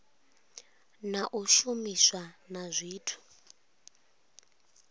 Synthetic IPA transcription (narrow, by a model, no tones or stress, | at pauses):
naʔuʃumiswanazʷiːtʰu̥